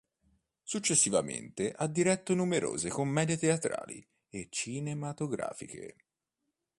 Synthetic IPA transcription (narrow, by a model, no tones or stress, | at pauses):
sut͡ʃːesːivamḛnt̪eʔad̪ːiɾɛt̪ːonumeɾo̰ːzekomːɛːd̪jet̪eat̪ɾa̰ːlḭ | et͡ʃːinemat̪oɡɾa̰ːfikḛ